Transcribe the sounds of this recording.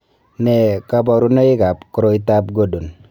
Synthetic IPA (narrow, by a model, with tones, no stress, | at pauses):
nɛ˨ka˨bɔ˨ɾu˦nɔ˦ɪ˦ka˨pku˨ɾo˦i˦ta˦p̚ɡo˦do˨n